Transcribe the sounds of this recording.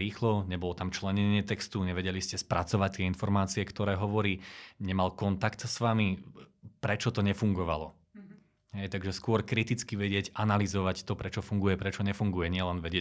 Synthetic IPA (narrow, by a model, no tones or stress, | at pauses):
ɾiːxlɔɲɛbɔlɔt̪amt͡ʃlɛɲɛɲɪɛt̪ɛkst̪uɲɛʋɛɟɛliscɛspɾat͡sɔʋac̚t̪ːɪɛinfɔɾmaːt͡siɛkt̪ɔɾɛːɦɔʋɔɾiːɲɛmalkɔnt̪akt̪sʋamipɾɛt͡ʃɔt̪ɔɲɛfuŋɡɔʋa̰lɔ | ɦɛjt̪aɡʒɛskʊɔɾkɾit̪it͡skiʋɛɟɪɛɟanalizɔʋact̪ɔpɾɛt͡ʃɔfuŋɡujɛpɾɛt͡ʃɔɲɛfuŋɡujɛɲɪɛlɛnʋɛɟɪɛ